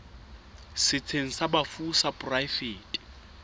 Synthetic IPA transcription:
sɪt͡sʰeŋ̩sabafusapʼʊrajfeːtʼi̥

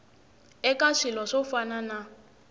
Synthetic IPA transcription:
ɛkaʂilɔʂɔfanana

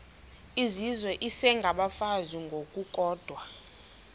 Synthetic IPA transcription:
izizwɛʔisɛŋɡʱaɓafaziŋɡʱokʼukʼɔːd̥ʱwa

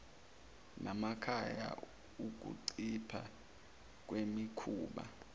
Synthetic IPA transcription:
nʔamakʰaja̰ | uk̬ṵǀipʰa̰ | k̬wemikʰuːɓa̰

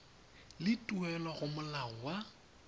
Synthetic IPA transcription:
lɪtʼuɛlɔɣʊmʊlaɔwa

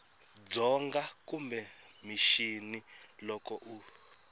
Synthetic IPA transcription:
d͡zɔŋɡakumbɛmiʃinilɔkɔʔu

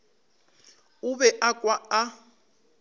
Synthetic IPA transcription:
ʊβɛʔakʼwaa

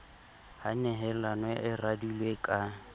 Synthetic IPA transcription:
hanɛɦɛlanwɛʔɪradulwekʼa

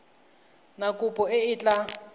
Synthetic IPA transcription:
nakʼupʼɔɪɪt͡ɬʼa

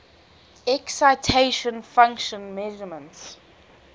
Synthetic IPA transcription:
ɛksaɪtʰeʃɔ̃nfãŋkʃɔ̃nmɛʒəmə̃nts

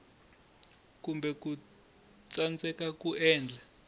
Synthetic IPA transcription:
kumbɛku | t͡sant͡sɛkakuɛːnd͡ɮʱa

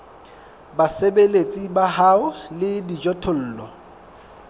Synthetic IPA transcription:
basebelet͡sʼibaɦaʊlɪdid͡ʒɔtʰʊl̩ːlɔ

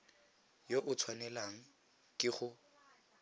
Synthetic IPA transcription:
joʔʊt͡sʰwanɛlaŋ̩ | kʼɪχʊ

